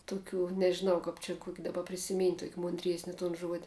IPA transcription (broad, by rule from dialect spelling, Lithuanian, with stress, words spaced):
tʊˈkʲuː nʲɛʒʲɪˈnɐʊ ˈkɐp t͡ʃʲɛ kuɔkʲ dɐˈbɐ pʲrʲɪsʲɪˈmʲiːnʲtʲ tuɔkʲ mʊnʲˈdʲrʲiɛsʲnʲɪ tʊn ˈʒuɔdʲɪ